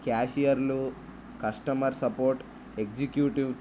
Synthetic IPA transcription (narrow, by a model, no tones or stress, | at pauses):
kaːʂijɐɾlu | kɐsʈɐmɐɾsɐpoːɾʈ | ekd͡ʒikjuːʈiw